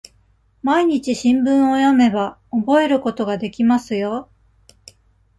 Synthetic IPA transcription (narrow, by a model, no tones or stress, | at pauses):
maiɲ̟it͡ɕiɕĩmbɯ̃ɰ̃ojame̞ba | obo̞e̞ɾɯ̟ko̞t̪o̞ɡad̪e̞kʲimasɨjo̞